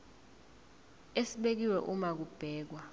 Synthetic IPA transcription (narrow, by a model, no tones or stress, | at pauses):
esiɓek̬iwɛʔumak̬ub̥ʱɛːk̬wa